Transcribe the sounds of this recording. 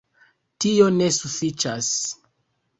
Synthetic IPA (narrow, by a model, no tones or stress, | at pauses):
tio̞ne̞sufit͡ʃas